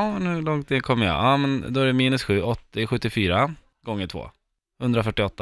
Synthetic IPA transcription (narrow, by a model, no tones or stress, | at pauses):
mɛnhɵɭɔŋt̪ɪnkʰɔmːəjɑ̰ɑːmɛnd̪ɔæɾɛmiːnɵsɧʉ̟ːʔɔt̪ːɪɧɵt̪ːɪfyːɾa | ɡ̥ɔŋːəʈʰvo̰ː | hɵnd̪ɾafœʈːɪɔt̪ːa